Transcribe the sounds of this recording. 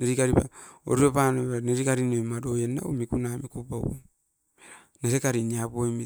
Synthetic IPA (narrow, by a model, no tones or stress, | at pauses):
neɾikaɾipa̰o̰ɾuɾepanoaneɾikaɾinojmadojena̰umikunamikupao̰ | neɾekaɾiniapojmi